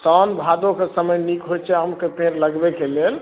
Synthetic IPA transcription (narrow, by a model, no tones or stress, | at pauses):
sɔnbʱad̪okesəməjnikɦot͡ʃʰɛɦəmkep̪ẽɾləɡbekelel